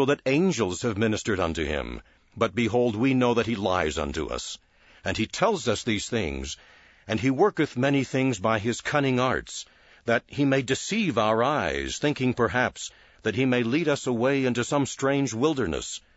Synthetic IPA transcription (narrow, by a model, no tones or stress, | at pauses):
oʊðɨɾẽɪ̃nd͡ʒl̩ˠz̥ɨvmɪ̃nɨstə˞ɾʌ̰̃ntʉ̰ɪ̰̃m | bʌt̚b̥ɨɦoʊlˠd̚winoʊðɨt̚hila̰ɪzʌ̰̃ntṵʌ̰s | ɨ̃nitʰɛlˠzʌsðiz̥θɪ̰̃ŋz | ɨ̃niwɜ˞kɨθmɛniθɪ̃ŋzbaɪɪz̥kʰʌnɪ̃ŋɑ̰ɹts | ðɨt̚himeɪdɨsivaʊə˞aɪz̥θɪ̃ŋkɪ̃ŋpʰə˞ɦæps | ðɨt̚himeɪliɾʌsəweɪɪ̃ntʉsʌ̃mstɹ̥ẽɪ̃nd͡ʒwɪlˠdə˞nɨ̰s